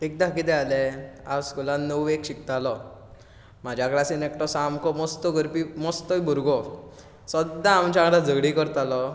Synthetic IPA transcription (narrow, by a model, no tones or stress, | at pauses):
ek̚d̪akit̪ɛalɛaskulãnːəwekɕik̚t̪alɔ | m̤ad͡ʑʱjakɾasinekʈɔsamkɔmɔst̪ɔɡəɾpimɔst̪ɔjbʱuɾɡɔ | sɔd̪ãːmt͡ɕaɽad͡zʱəɡɽikəɾt̪alɔ